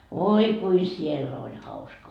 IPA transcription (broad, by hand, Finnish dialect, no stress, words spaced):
ʋoi kui sielː olʲ hɑuskɑ